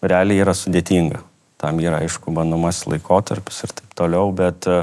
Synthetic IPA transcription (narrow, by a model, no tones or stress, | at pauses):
ɾʲɛæːlʲeiːɾɐsʊd̪ʲeːt̪ʲiːŋɡɐ | t̪ɐmiːɾɐɐɪʃkʊbɐnd̪omɐslˠɐ̰ɪkoːt̪ɐɾʲpʲɪ̥sɪrt̪ɐɪpt̪oːlʲɛʊbʲɛt̪